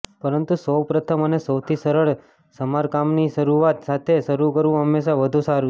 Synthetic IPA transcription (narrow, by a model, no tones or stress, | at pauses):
pəɾənt̪usəwpɾət̪ʰəmənesəwt̪ʰisəɾəɭ | səmaɾkamniʃəɾuat̪sat̪ʰeʃəɾukəɾʋũɦəmːeʃaʋəd̪ʱũsaɾu